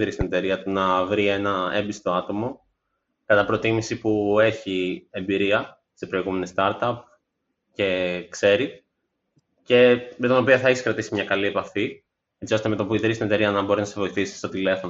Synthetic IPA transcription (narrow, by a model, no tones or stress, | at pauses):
ðɾist̪ine̞t̪e̞ɾiɐt̪unɐvɾie̞nɐe̞mbist̪o̞ɐt̪o̞mo̞ | kɐt̪ɐpɾo̞t̪imisipue̞çie̞mbiɾiɐ | se̞pɾo̞iɣume̞nest̪ɐɾt̪ɐp | ce̞kse̞ɾi | ce̞met̪ono̞pioθɐeçiskɾɐt̪isimɲɐkɐliepɐfi | e̞t͡sio̞st̪e̞me̞t̪opuiðɾist̪ine̞t̪e̞ɾiɐnɐbo̞ɾinɐse̞vo̞iθisi̥st̪o̞t̪ile̞fo̞n